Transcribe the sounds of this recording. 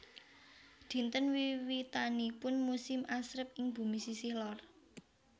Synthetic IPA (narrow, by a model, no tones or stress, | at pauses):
d̪̥i̤nt̪ənwiwit̪anipʊnmusɪmasɾəp̚ɪŋb̥ṳmisisɪhlɔr